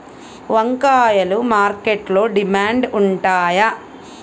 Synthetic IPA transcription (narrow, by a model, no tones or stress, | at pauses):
ʋɐŋkaːjɐlumaːɾkeʈlo̞ːɖimaːɳɖuɳʈaːjɐ